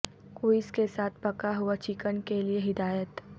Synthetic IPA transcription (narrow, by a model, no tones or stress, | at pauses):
koːɪskesaːt̪̚ʰpɐkaɦuat͡ʃɪkənkelieɦɪd̪aːjət̪